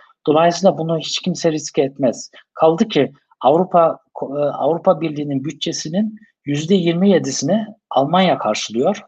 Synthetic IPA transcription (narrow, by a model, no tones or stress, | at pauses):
d̪̥o̞lˠajsɯlˠabunuhit͡ʃcʰimsɛɾiscɛt̪mɛz̥ | kʰalˠd̪ɯcʰi | avɾupʰakʰavɾupʰabiɾlʲiːninbyt̪̚t͡ʃʰe̞sinin | jyzd̪ɛjiɾmije̞d̪isinɛalˠmanjakʰaɾʃɯlˠɯjo̞ɾ̥